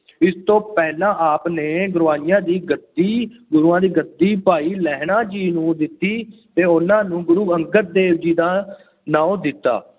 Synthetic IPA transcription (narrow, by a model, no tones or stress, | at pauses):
ɪst̪õːpɛːlãːʔaːpneːɡʊɾʋaːnɪjãːd̪iːɡəd̪iːɡʊɾuːãːd̪iːɡəd̪iːpaːiːlɛːɦɳãːd͡ʒiːnũːd̪ɪt̪ːiːt̪eːʊnãːnũːɡʊɾuːəŋɡət̪̚d̪eːʋd͡ʒiːd̪aː | nãːõːd̪ɪt̪ːa̰ː